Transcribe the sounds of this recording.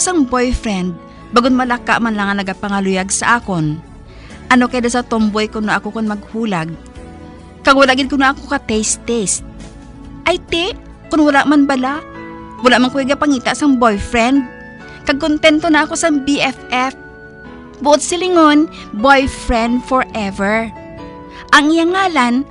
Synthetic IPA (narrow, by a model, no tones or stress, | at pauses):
saŋbojfɹɛnd̪̚ | baɡonmɐlɐkːa̰ʔmanlɐŋɐnɐɡapɐŋɐlʊjaɡsɐʔaːkon | ʔɐno̞kɐjd̪asɐt̪ombojkʊnnɐʔɐkokonmɐɡ̚huːlaɡ̚ | kɐɡwɐlaʔɡɪd̪̚kʊnɐʔɐkokɐt̪ɛjst̪ɛst̪̚ | ʔɐjt̪ɪʔ | kʊnwɐlaʔmanbɐla | wɐlaʔmaŋkʊɪɡɐpɐŋiːt̪aʔsaŋbojfɹɛnd̪̚ | kɐɡ̚kʊnt̪ɛnt̪onɐʔɐko̞sɐŋbiʔɛfɛf | bʊʔod̪̚sɪlɪŋon | bojfɹɛnd̪foɹʔɛvɛɹ | ʔɐŋʔɪjaŋːaːlan